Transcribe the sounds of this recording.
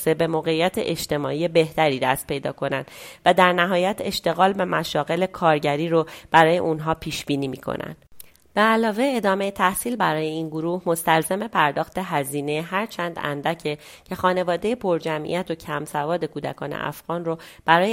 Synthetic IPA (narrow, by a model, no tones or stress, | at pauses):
sebe̞moːɣe̞ijːæt̪ʰḛʔeʃt̪e̞mɒːiːe̞be̞ht̪æɾiːd̪æst̪̚pʰe̞jd̪ɒ̰ːkʰo̞nænd̪væd̪æɾnæɦɒːjæt̪ʰe̞ʃt̪e̞ɣɒːlvæmæʃɒːɣe̞le̞kʰɒːɾɟæɾiːɾob̥æɾɒːje̞̰ʔunɦɒːpʰiːʃbiːniːmiːkʰo̰næ̰nd̪̥ | b̥eælɒːve̞ed̪ɒːme̞jet̪ʰæhsiːlbæɾɒːje̞iːnɡoɾuːhmo̞st̪ælzæme̞pʰæɾd̪ɒːxt̪e̞ɦæziːne̞ɦæɾt͡ʃʰænd̪æ̰nd̪æcʰe | cʰe̞xɒːne̞vɒːd̪e̞je̞pʰo̞ɾd͡ʒæmʔḭæt̪ʰocʰæmsævɒːd̪e̞kʰuːd̪æ̰kʰɒːnḛʔæ̰fɣ̥ɒːnrob̥æɾɒːje